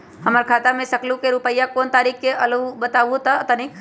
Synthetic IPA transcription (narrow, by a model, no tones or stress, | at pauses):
ɦɐmaɾkʰaːt̪amẽsəklũkeɾupəijakoːnt̪aːɾiːkkeʔɐləʋbət̪aːʋut̪aət̪anĩ